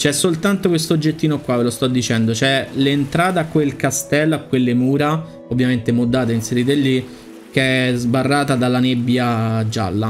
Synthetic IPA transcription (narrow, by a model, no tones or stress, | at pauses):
t͡ʃɛsːolt̪ant̪okwest̪od͡ʒːet̪ːiːnokwavelost̪ɔd̪ːit͡ʃɛnd̪ot͡ʃɛlent̪ɾaːt̪eakːwelkast̪ɛlːakːwelːemuːɾa | ovːjament̪emod̪ːaːt̪einseɾid̪elːi | keɛzbarːaːt̪ad̪alːanebːjad͡ʒa̰lːa